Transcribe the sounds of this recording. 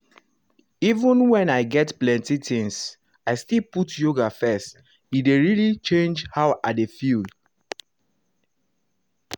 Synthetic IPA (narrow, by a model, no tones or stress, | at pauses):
ivə̃nwɛ̃naɪɡɛtplɛ̃ntitĩŋs | aɪstilputjoɡafɛst | ideɹilit͡ʃẽnd͡ʒhaʊʔadefild